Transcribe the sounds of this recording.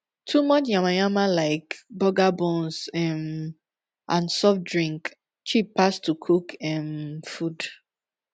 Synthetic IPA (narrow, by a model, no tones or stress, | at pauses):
tʰumɔt͡ʃjãmãjãmalaɪkbɔɡabɔ̃nzɛm | ʔãnsɔfdɹĩŋk | t͡ʃipːastʰukʰukʰɛmfud̥